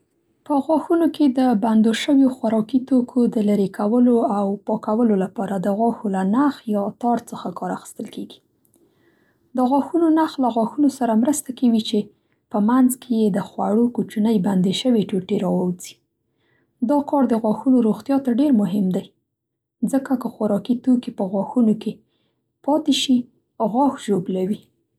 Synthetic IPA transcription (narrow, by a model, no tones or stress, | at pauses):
pəɣwɑxunoked̪əband̪oʃəwjoxwaɾɑkit̪okʰod̪əlaɾekʰawəloawpɑkawəlolapɑɾad̪əɣwɑxolanaxjɑt̪ɑɾt͡səxakɑɾaxə̥st̪əlkeɡi̥ | d̪əɣwɑxunonaxlaɣwɑxunosaɾamɾəst̪akawit͡ʃe | pəmanzkʰejed̪əxwaɽokut͡ʃunəjband̪eʃəweʈoʈeɾɑwawzi̥ | d̪ɑkɑɾd̪əɣwɑxunoɾoɣt̪jɑt̪aɖeɾmʊɦɪmd̪aj | zəkakəxaɾɑkit̪okepəɣwɑxunoke | pɑt̪eʃi | ɣɑxʒoblawi